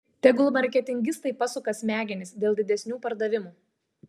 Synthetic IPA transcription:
t̪ʲɛɡʊlˠmɐɾʲkʲɛt̪ʲɪŋʲɡʲɪst̪ɐɪpɐsʊkɐsʲmʲæːɡʲɪnʲɪsd̪ʲeːlˠd̪ʲɪd̪ʲɛsʲnʲuːpɐɾd̪ɐʋʲɪmuː

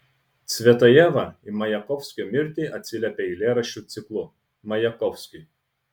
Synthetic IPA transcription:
t̪sʲʋʲɛt̪ɐjɛʋɐimɐjɛkɔfsʲkʲomʲɪɾʲt̪ʲiːʔɐt̪ʲsʲɪlʲɛpʲeɪlʲeːɾɐʃʲut̪sʲɪklˠʊ | mɐjɛkɔfsʲkʲʊɪ

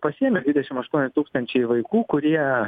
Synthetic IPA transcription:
pɐsʲiɛmʲɛd̪ʲʋʲɪdʲɛʃʲɪmɐʃt̪uɔnʲɪt̪uːkst̪ɐnʲt͡ʃʲɛɪʋɐɪkuːkʊɾʲiɛ

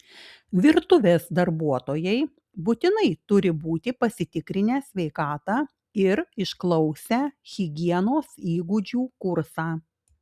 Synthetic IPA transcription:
ʋʲɪɾt̪ʊʋʲeːsd̪ɐɾbuɔt̪oːjɛɪ | but̪ʲɪnɐɪt̪ʊɾʲɪbuːt̪ʲɪpɐsʲɪt̪ʲɪkɾʲɪnʲæːsʲʋʲɛɪkɑːt̪ɑː | ɪɾɪʃklˠɒʊsʲɛɣʲɪɡʲiɛnoːsiːɡʊd͡ʒʲuːkʊɾsɑː

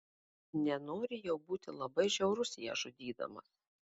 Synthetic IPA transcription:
nʲɛnoːɾʲɪjɛʊbuːt̪ʲɪlˠɐbɐɪʒʲɛʊɾʊsʲɪjɛ̰ʒʊd̪ʲiːd̪ɐ̰mɐ̰s

